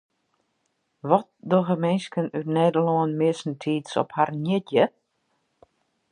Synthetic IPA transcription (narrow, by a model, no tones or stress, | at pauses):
ʋɔt̚doɣəmɛnskənytnɛjdəlɔənmɪəsn̩tʰiːtsɔ̰pharnjɪtjə